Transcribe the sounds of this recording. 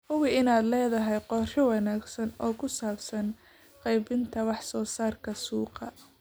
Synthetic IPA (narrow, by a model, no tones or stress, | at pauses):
hʊwɪɪnaːd̪lɛːðɐɦɛjqɔːrɪwɑnaːɡsɐnɔːkʰʊsaːbsɐn | qɑjbɪnt̪ʰɐwɑħsɔːsaːrkʰɐsuːqɑ